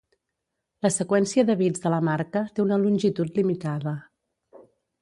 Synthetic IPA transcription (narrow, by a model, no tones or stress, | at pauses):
ləsəkwɛnsiəðəβid͡zðələmaɾkət̪eunəlunʲʒit̪ut̪limit̪aðə